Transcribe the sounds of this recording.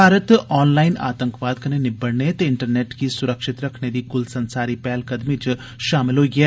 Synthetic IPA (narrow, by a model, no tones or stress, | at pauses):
bʱaːɾət̪ɔːnlaːɪna̰ːt̪ə̃ŋkʋaːd̪̚kɐnenɪbəɽnet̪ɪɳʈəɾneːʈkisʊɾəkʃɪt̪ɾɐkʰned̪ikʊlsɐnsaːɾipɛɦlkɐd̪mit͡ʃ | ʃaːmɪlɦoɡieː